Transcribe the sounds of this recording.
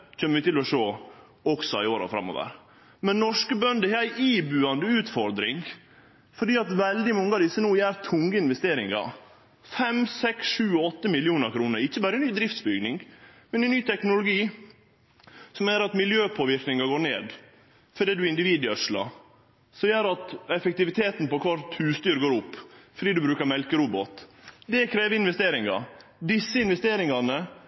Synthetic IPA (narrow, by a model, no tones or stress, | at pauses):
c͡çɛːmːəʋɪt̪ɪlɔʂoː | ɔksɔɪoːɾɑ̰fɾɑ̰mo̰ːʋə̰ɾ | mɛnnɔʂkəbœnd̪əhɛːæɪʔiːbʉːɑnd̪əʉːt̪fɔɾd̪ɾɪŋ | fɔɖiːɑt̪ʋɛld̪ɪmɔŋːəɑd̪ɪsːənuːjæːɾt̪ʰʊŋɡəɪnʋɛst̪eːɾɪŋɑ̰ | fɛmsɛksʂʉːɔt̪ːəmɪlɪuːnəɾkʰɾuːnəɾɪçːəbæːɾəɛnyːd̪ɾɪft̪sbʏɡnɪŋmɛnɛnːyːt̪ʰɛknʊlʊɡiː | sɔmjæːɾɑt̪mɪljøːpʰoːʋɪɾknɪŋɑɡoːɾɳḛːd̪ | fɔɖ̪iːd̪ʉɪnd̪ɪʋiːd̪ɪœʂlɑ̰ | sɔjøːɾɑt̪ɛfɛk̚t̪ɪʋɪt̪ʰeːt̪n̩pɔkʰʋɑɾt̪ʰːʉːst̪yːɾɡoːɾʊpːfɔɖiːd̪ʉbɾʉːkəɾmɛlkəɾuːbɔt̪d̪ɛkʰɾeːʋəɪnʋɛst̪eːɾɪŋɑ̰d̪ɪsːəɪnʋɛst̪eːɾɪŋɑnə